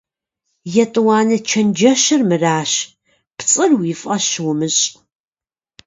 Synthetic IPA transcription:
jɛtʼɨwɑːnɨt͡ʃʰɐnd͡ʒɐʃɨrmɨraːɕ | pt͡sʼɨrwiːfʼɐɕwʊmɨɕʼ

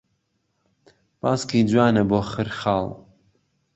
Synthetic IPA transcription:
bɑ̰ːskid͡ʒwaːnɐboːxɨɾxɑːlˠ

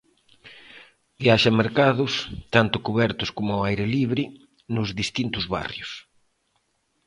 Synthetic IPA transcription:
bjaʃameɾkaðʊst̪ant̪ʊkuβɛɾt̪ʊskomʊajɾɪliβɾɪ | nʊzðist̪int̪ʊzβa̰rjʊs

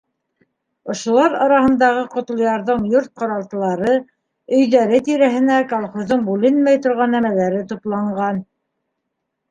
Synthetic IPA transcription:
ŏʃŏlˠɑɾɑ̰ɾɑhɤ̆nd̪ɑʁɤqŏt̪lˠɤ̆jɑɾðɤɴjuɾt̪̚qɑ̆ɾɑlˠt̪ɤ̆lˠɑɾɤ | ɵ̆jðæɾɘt̪iɾæɦɘ̆nækolˠχŏzɤɴbʉlɘnmæjt̪ŏɾʁɑnːæmælæɾɘt̪uplˠɑɴɢɑn

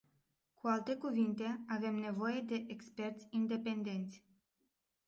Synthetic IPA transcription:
kualt̪e̞kuvint̪e̞ave̞mne̞vo̞je̞d̪e̞ʔekspe̞rt̪sʲind̪e̞pe̞nd̪e̞nt̪sʲ

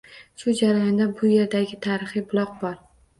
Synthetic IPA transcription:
ʃʊd͡ʒaɾajɒnd̪abʊje̞ɾd̪aɡʲɪt̪ʰaɾɨχɨbʊlˠɒq̚bɒɾ

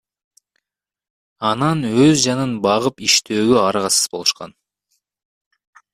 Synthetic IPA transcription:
ɑnɑnøzd͡ʒɑnɯnbɑʁɯpiʃt̪ʰøːɡøɑɾʁɑsɯz̥bo̞lˠuʃqɑ̰n

